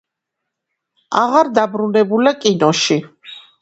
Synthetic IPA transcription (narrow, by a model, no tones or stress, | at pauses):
aʁaɾd̪abɾunɛbulakʼinɔʃi